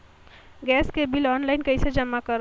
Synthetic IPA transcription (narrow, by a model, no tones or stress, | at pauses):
ɡɛːskebilɔːnlaɪnkəɪsed͡ʒəmːakəɾ